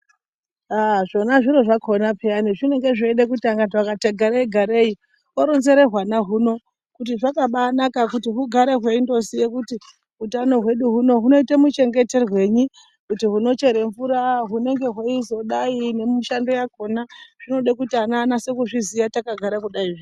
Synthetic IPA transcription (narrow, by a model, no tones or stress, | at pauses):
aʐo̞naʐiɾo̞ʐakʰo̞napʰeaniʐine̞ŋɡe̞ʐeeɗek̬utiaŋɡatwakataɡʱaɾaiɡʱaɾe̞i | oɾonze̞ɾe̞rwanaɦuno̞ | kutiʐakaɓanakakutiɦuɡʱaɾe̞ɦwe̞indo̞sije̞kuti | ɦutano̞ɦwe̞ɗuɦuno̞ɦuno̞itamut͡ʃe̞ŋɡe̞te̞rwe̞ɲi | kutiɦuno̞t͡ʃe̞ɾe̞ɱvuɾaɦune̞ŋɡe̞ɦweizo̞ɗaine̞miʃando̞jako̞naʐ̥ino̞ɗekutianaːnase̞kuʐizijatakaɡʱaɾakuɗaiʐin